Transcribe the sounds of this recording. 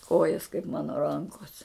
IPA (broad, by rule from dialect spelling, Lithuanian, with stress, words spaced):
ˈkoːjɛs kɐɪp ˈmɑːnoː ˈrɐŋkoːs